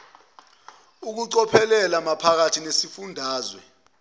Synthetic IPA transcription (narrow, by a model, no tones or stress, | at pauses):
uk̬uǀɔpʰɛlɛlamapʰak̬atʰinesifundʱaːzwɛ̰